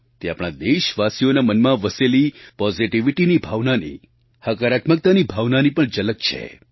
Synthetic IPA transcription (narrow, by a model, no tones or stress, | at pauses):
t̪eapɽ̃ad̪eʃʋasijonamənmãʋəselipɔziʈiʋiʈinibʱaʋnanḭ | həkəɾat̪mək̚t̪anibʱaʋnanipəɳd͡ʒələk̚t͡ʃʰḛ